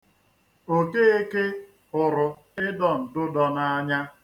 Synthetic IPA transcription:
o˦ke˦e˦ke˦ | ʊ˨ɾʊ˨ | ɪ˦dɔ˨n̩˨dʊ˦dɔ˨na˦a˦ɲa˦

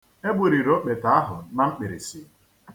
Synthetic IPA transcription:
e˦bʊ˨ɾi˨ɾo˦k͡pe˨ta˨a˦ɦʊ˨na˦ŋ͡m̩˦k͡pɪ˨ɾḭ˨si˨

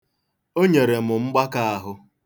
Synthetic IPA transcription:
o˦ɲe˨ɾe˨mʊ˨ŋ͡m̩˦ɡ͡ba˦ka˦a˦ɦʊ˦

